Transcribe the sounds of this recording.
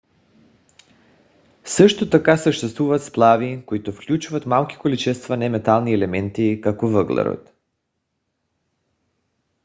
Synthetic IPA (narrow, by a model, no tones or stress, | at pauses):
sɤʃt̪ot̪akasəʃt̪ɛst̪vuvat̪splˠavikoit̪ofklʲut͡ʃuvat̪malˠki̥kolit͡ʃɛst̪vanɛmɛt̪alˠniɛlɛmɛnt̪ikakovəɡlˠɛ̰ɾo̰t̪